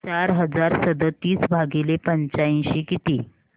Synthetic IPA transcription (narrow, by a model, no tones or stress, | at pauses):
t͡ɕaɾɦəd͡zaɾsəd̪ʱət̪iːsbʱaɡilepəɲt͡ɕaĩɕiːkit̪iː